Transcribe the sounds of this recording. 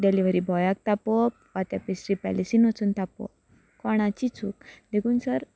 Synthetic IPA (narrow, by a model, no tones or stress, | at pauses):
ɖeliʋəɾibʱɔjak̚t̪apɔpʋat̪japesɾipɛ̰lisiːnʋət͡suːnt̪apɔ̰ | kɔɽ̃ãt͡ɕit͡suk̚d̪ekʰuːnsəɾ